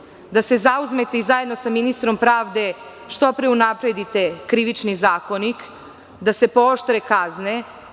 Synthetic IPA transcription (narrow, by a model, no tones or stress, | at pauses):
d̪ase̞zauzme̞t̪eizaje̞d̪no̞saminist̪ɾo̞mpɾaːʋd̪e̞ | ʃt̪o̞pɾeunapɾe̞d̪it̪e̞kɾiʋit͡ʃnizaːko̞nik | d̪ase̞pooʃt̪ɾekazne